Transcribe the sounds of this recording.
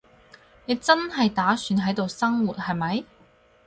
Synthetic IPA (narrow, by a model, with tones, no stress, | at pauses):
ne˨˧jt͡sɐ˥nɐ˨jt̪aː˨˥syː˨˥nɦɐ˨˥jt̪o˨wsɐ˥ŋwuː˨˩t̚hɐ˨jmɐ˨˥j